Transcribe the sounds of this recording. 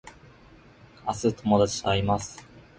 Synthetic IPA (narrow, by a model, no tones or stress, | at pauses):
asɨt̪ʰo̞mo̞d̪at͡ɕi̥saaɾʲimasɨ̥